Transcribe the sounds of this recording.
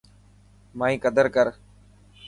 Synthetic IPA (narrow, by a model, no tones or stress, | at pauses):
maːĩːkəd̪əɾkəɾ